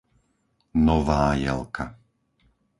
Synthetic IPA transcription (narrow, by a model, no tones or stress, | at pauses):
nɔʋaːjɛ̰lkʰa